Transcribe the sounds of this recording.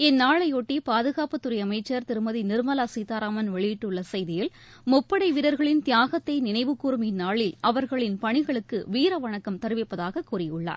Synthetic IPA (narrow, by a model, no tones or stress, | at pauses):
ɛnːaːɭɐɪoːʈːipaːðɯɣaːpɯt̪ːɯɾɐɪɐmɐɪt͡ʃːɐɾt̪ɪɾɯmɐðinɪɾmɐlaːsiːt̪aːɾaːmɐnʋɛɭɪjɪʈːɯɭːɐsɐjðɪjɪl | mʊpːɐɽɐɪʋɪɾɐɾɣɐɭɪnt̪ɪjaːɣɐt̪ːɐɪnɪnɐɪʋɯkːuːɾɯmɪnːaːɭɪlʔɐʋɐɾɣɐɭɪnpɐɳɪɣɐɭɯkːɯʋiːɾɐʋɐɳɐkːɐmt̪ɐɾɯʋɪpːɐðaːɣɐkːuːrɪjɯɭːa̰ːɾ